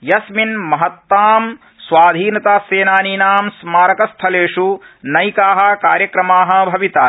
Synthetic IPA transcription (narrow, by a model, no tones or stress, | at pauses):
jɐsminmɐɦɐt̪ːaːm | sʋaːd̪ʱiːnɐt̪aːseːnaːniːnaːmsmaːɾɐkɐst̪ʰɐleːʂunɐjkaːɦɐ̆kaːɾjɐkɾɐmaːɦɐ̆bʱɐʋit̪aː